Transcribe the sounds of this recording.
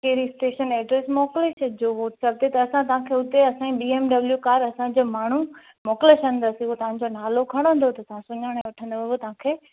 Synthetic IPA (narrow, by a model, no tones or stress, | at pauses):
keɾisʈeːʃənɛːɖɾesmɔːklet͡ʃɐd͡ʑoːʋoːʈsɐb̚t̪ʰet̪ɐɐsãt̪ɐɦãkʰeːʊt̪eɐsãĩbiːeːmɖɐbljukaːɾɐsãd͡ʑoːmaːɳ̤u | mɔːkleʃə̃n̆d̪əsiuot̪ɐʋ̤ãɲ̆d͡ʑonaːlokʰɐɽ̃ə̃n̆d̪ʱot̪ɐt̪ɐʋ̤ãsʊɲəɽ̃ɛ̃ʋʊʈʰə̃nd̪oʋɦot̪ɐʋ̤ãkʰeː